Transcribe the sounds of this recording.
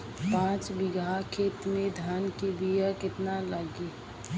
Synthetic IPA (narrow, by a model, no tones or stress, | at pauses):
pãːt͡ʃbɪɡʱakʰet̪med̪ʱaːnkibijakɪt̪naləɡi